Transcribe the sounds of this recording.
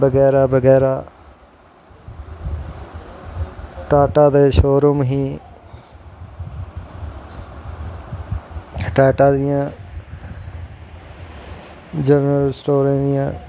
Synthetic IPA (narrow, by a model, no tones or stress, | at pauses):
bəɡɛːɾaːbəɡɛːɾaː | ʈaːʈaːd̪eːʃoːɾʊmɦĩː | ʈaːʈãːd̪ɪjãː | d͡ʒəɾəlsʈoːɾẽːd̪ɪjãː